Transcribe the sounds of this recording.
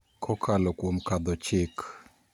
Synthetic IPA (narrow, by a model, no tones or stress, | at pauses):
kʰɔkʰalɔkwomkad̪ɔt͡ʃɪk